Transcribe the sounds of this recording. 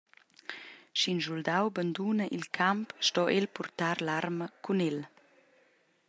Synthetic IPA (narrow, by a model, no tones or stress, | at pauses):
ʃinsuld̪awband̪unəʔilkʰampʃtɔʔelpurt̪aɾlarməkʰunɛl